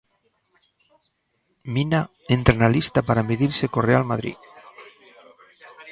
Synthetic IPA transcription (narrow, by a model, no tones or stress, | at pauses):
mina | ent̪ɾenalist̪apaɾameðiɾsekorealmað̞ɾḭ